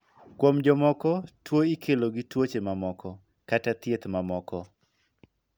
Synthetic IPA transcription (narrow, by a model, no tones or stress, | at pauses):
kwomd͡ʒɔmɔkɔtwoikʰeloɡɪtwot͡ʃemamɔkɔ | katat̪jet̪mamɔkɔ